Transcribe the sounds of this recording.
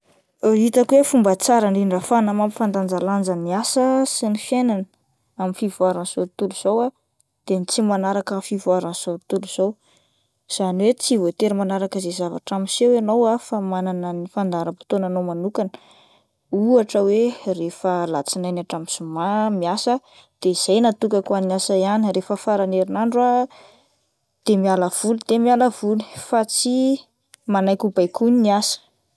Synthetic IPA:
it̪akwefumbət͡saɾaɳɖ͡ʐiɳɖ͡ʐəfanamampifand̪and͡zaland͡zəmiasəsinifjenanə | aminfivuaɾansoɾit̪uluz̥owa | d̪̥emit͡simanaɾakəfivuaɾansoɾit̪uluz̥ow | z̥aniwet͡sivot̪eɾimanaɾakəzezava̰ʈ͡ʂamisewanowafamananənifand̪aɾəpi̥t̪onanomanukanə | uaʈ͡ʂəwerefəlat͡sinajnaʈ͡ʂamisumamiasə | d̪̥eiz̥ajnat̪ukakannasajanirefəfaɾaneɾinaɳɖ͡ʐua | d̪̥emialəv̥ulud̪̥emialəvuli̥fat͡si | manajkubajkuniniasə̥

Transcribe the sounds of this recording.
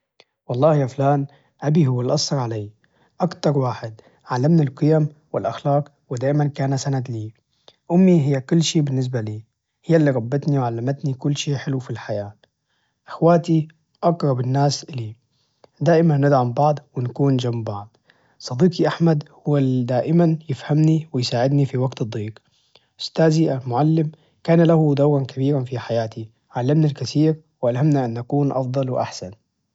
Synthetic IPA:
wɑlˤːɑːhjaːflaːn | ʔabihʊwːalʔɑsˤhɑɾˤʕalaː | ʔakt̪ɑɾˤwaːħɪd̪ | ʕalːamnalqɨjamwɪlʔaxlaːq | wɪd̪aːʔmankaːnasanat̪liː | ʔʊmːiɦɪjːakʊlːʃiːbɪnːɪs̬baliː | hɪjːalːiːɾˤɑbːɪt̪niwʕalːamat̪nikʊlːʃiːħɪlufilħajaː | ʔɪxwaːt̪i | ʔɑɡɾˤɑbɪnːaːsʔliː | d̪aːʔɪmanːɪd̪ʕambɑʕd̪ˤwɪnakuːnd͡ʒamːbɑʕd̪̚ˤ | sˤɑd̪iːkiʔaħmad̪hʊwːalid̪aːʔɪmanjɪfhamniwɪjsaːʕɪd̪nifiwaɡt̪ɨd̪ˤːiːɡ | ʔʊ̥st̪aːziʔalmʊʕalːɪm | kaːnalahud̪awɾankabiːɾanfiħajaːt̪i | ʕalːamnalkaθiːɾ | wɪʔalɦhamnaʔanːʔakuːnʔɑ̰fd̪ˤɑlwɪʔa̰ħsan

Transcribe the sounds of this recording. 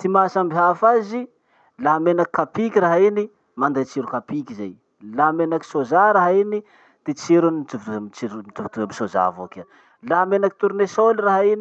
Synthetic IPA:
t̪imasambiɦafazi | laɦamenaki̥kapikʲiɾaɦaini | mand̪at͡siɾukapikizaj | lamenaki̥sozaɾaɦaini | d̪̥et͡siɾuniituvt̪umt͡ʃiɾumit̪uvit̪uamisoza̰vo̰kə | laamenaki̥t̪uɾnesoliraɦaini

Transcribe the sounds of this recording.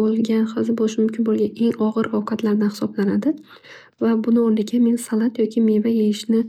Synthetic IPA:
olˠɡʲanχɑzɪbɒɪʃmʊmkʲʰɪnbolˠɡʲane̞ŋɒʁɨɾɒwqʰɑt̪laɾd̪anhɪ̥sɒblanad̪ɪ | vabʊnɪɒnlɪkʲʰamensalˠat̪jɒkʲʰɪmevajejɪʃnɪ

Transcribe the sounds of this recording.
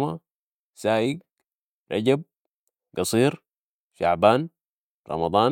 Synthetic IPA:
ma | saːʔiɡ | ɾɑ̰ɟab̚ | ɡɑsˤiːɾ | ʃa̰ʕbaːn | ɾˤɑ̰mɑd̪ˤɑːn

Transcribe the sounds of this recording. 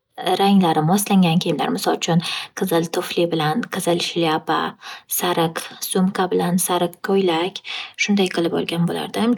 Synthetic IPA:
ɾaŋlaɾɪmɒslaŋɡʲankʲʰejɪmla̰ɾmɪsɒlˠt͡ʃʰʊnqʰɨzɪlt̪ʰʊflɪbɪlanqʰɨzɪlʃɪlapa̰saɾɪqsʊmqʰabɪlansaɾɪqkʰːojlakʲʃʊnd̪ajqʰɨlˠɪpɒ̰lˠɡʲanbola̰ɾd̪ɪm

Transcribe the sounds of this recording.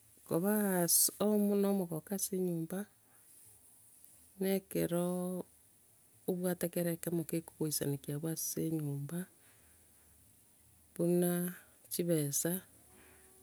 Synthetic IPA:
koβasomunomoɣokaseɲuːmba | nekeɾo | oβwatekeɾekemokeko̥ɣoisa̰nekiaβwaseɲuːmba | βuna | t͡ʃiβesa

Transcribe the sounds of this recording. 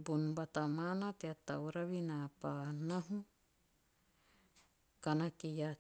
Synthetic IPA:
bunbat̪amanat̪eat̪ːawɾaβinapanaɦu | kanakija

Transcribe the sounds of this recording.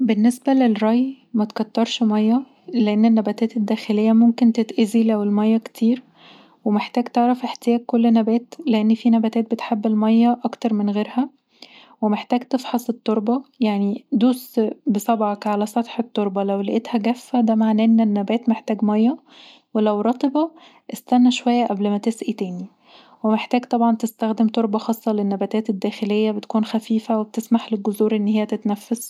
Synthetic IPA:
benːesbælelɾɑj | mæt̪kɑt̪ːɑɾˤʃmɑjːɑ | leʔenːenːæbæt̪æːt̪ed̪ːæːxelejːæmomkent̪et̪ʔæzilæwelmɑjːækt̪ʰiːɾ | wemeħt̪æːɡt̪eʕɾˤɑfʔeħt̪ejæːɡ̚kːolːnæbæːt̪leʔenːfiːnæbæt̪æːt̪̚bet̪ħebːelmɑjːɑʔɑkt̪ɑɾˤmenɣeːɾhæ | wemeħt̪æːɡt̪efħɑsˤet̪ˤːoɾˤbɑjaʕnid̪uːsbesˤɑbʕɑkʕalæsˤɑt̪ħet̪ˤːoɾˤbɑlæwlæʔet̪hæɡæfːæd̪æmaʕnæʔnːænːæbæːt̪meħt̪æːɡmɑjːɑ | welæwɾˤɑt̪ˤebɑ | ʔest̪ænːæʃowæjːæʔæblmæt̪esʔit̪æːni | wemeħt̪æːɡt̪ˤɑbʕɑnt̪est̪æxd̪emt̪oɾˤbɑxɑːsˤːɑlenːæbæt̪æːt̪ed̪ːæːxelejːæbet̪kuːnxæfiːfæweb̚t̪esmaħlelɡozuːɾʔenːhejːæt̪et̪næfːæs

